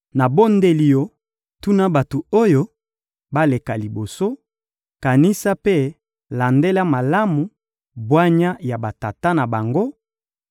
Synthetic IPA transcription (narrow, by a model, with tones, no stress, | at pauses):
na˨bo˦nde˦li˨jo˨ | tu˦na˦ba˨to˨o˦jo˦ | ba˦le˨ka˨li˨bo˨so˦ | ka˨ni˦sa˦pe˦ | la˨nde˦la˦ma˨la˦mu˨ | bwa˦ɲa˦ja˨ba˨ta˨ta˦na˨ba˨ŋɡo˦